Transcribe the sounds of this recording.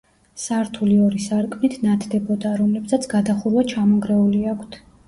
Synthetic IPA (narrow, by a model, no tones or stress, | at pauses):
saɾt̪ʰuliɔɾisaɾkʼmnit̪ʰnat̪ʰd̪ɛbɔd̪aɾɔmlɛbsat̪sʰɡ̥ad̪aχuɾwat͡ʃʰamɔŋɡɾɛuliakʷʰt̪ʰ